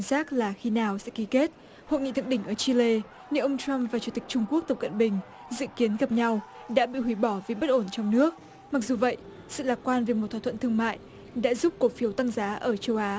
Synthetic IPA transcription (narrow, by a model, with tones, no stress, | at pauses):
zaː˦˥k̚laː˨˩xi˧naː˨˩wsɛ̰˧˥ki˨˦ke˦˥t̚ | ho̰˧˨jŋḭ˧˨t̪ʰɨ̰˧˨ŋɗï˧˩ŋ̟ʔəː˧˩t͡ɕi˧le˧ | ne˧ʔə˧wŋ͡mt͡ɕa˧mvaː˨˩t͡ɕu˨˧˦t̪ï˨˩k̚t͡ɕʊ˧ŋ͡mku˦˥ək̚t̪ə˨˩p̚kə̰˧˨nɓï˨˩ŋ̟ | zɨ̰˧˨ki˨˦ənɣa˨˩p̚ɲa˧w | ɗa̰ː˧˥ɓḭ˧˨hwi˧˩ɓɔ˧˩vi˨˩ɓə˦˥t̚ʔo˧˩nt͡ɕɔ˧wŋ͡mnɨ˦˥ək̚ | ma˨˩k̚zu˨˩və̰˧˨j | sɨ̰˧˨laː˨˩kwaː˧nve˨˩mo˨˩t̪̚ʰa˧˩t̪ʰt̪ɨ˧əŋma̰ː˧˨jʔ | ɗa̰ː˧˥zu˦˥p̚ko˨˦fi˨˦wt̪a˧ŋzaː˨˦ʔəː˧˩t͡ɕə˧wʔaː˨˦